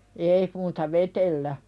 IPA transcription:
eˑi muːtɑ ʋetelːæ

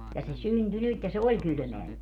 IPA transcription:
jɑ se synty nyt jɑ se olʲ kyly̆meæ nyt

